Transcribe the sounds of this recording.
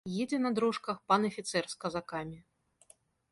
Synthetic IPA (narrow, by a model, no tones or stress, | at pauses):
jɛd͡zʲɛnɐd̪ɾɔʂkɐxpanɐfʲit̪sɛrskɐzakamʲi